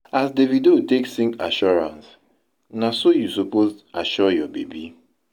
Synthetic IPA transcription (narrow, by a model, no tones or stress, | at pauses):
asdevidoteksĩŋka̰ʃɔɹã̰ns | nasojusupostaʃɔjɔbḛbi